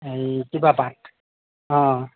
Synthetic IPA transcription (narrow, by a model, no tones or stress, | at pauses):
ekibabat | ɔ̃